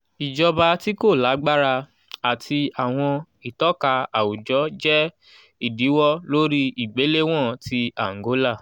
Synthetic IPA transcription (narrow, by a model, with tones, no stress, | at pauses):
i˨d͡ʒɔ˧ba˧ti˦ko˦˨la˨˦ɡ͡ba˦ɾa˧ | a˨tʰi˧a˨w̃ɔ̃˧ | i˨tɔ˦ka˧a˨u˨d͡ʒɔ˨˦d͡ʒɛ˦ | i˦˨di˨˦wɔ˦lo˦ɾi˦i˨ɡ͡be˨˦le˦w̃ɔ̃˦˨ti˧a˨ŋ˨ɡo˨˦la˦˨